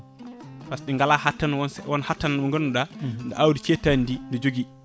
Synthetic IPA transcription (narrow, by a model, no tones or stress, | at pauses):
fasɗɛŋɡalahatːanwnwɔnhatːananɓɔŋɡɔnːuɗandɛ̰ʔawdit͡ʃɛtːanindindɛd͡ʒoɡi